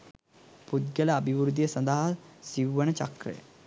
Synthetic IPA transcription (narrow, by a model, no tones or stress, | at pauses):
pud̪ɡələːbʱiʋɾud̪ijəsɐnd̪aɦasiwʋənət͡ʃɐkɾə̰jə̰